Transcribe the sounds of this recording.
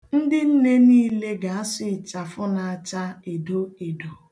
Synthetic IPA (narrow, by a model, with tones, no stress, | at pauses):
n̩˦dɪ˦n̩˦ne˦niː˦le˦ɡa˨a˦sʊ˦ɪ˨t͡ʃa˨fʊ˦na˨a˨t͡ʃa˦e˨do˦e˨do˨